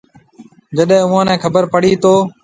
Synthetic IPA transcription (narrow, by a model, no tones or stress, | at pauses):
d͡ʒəɗɦɛ̃ːʊːãːnɛ̃ːkʰəbəɾpəɽiːt̪oː